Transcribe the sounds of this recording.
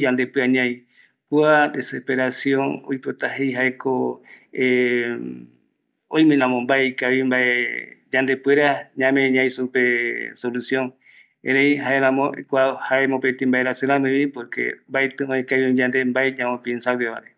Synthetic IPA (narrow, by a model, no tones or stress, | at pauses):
d͡ʒãnd̪epɨaɲãj | kuad̪esepeɾasjõno̰jpot̪ahejɦaekoe | õjmẽnãmõmbaekaβimbaʔed͡ʒãnd̪epweɾaɲãmẽɲãĩsupe̞solusjõŋ | ẽɾẽjɦaeɾãmõkʷahaemõpet̪ĩmbaeɾasɨɾãmɨ̃βipoɾkḛmbaet̪ɨ̃õekaβiõd͡ʒãnd̪embaeɲãmõpinsaweβa̰ɾe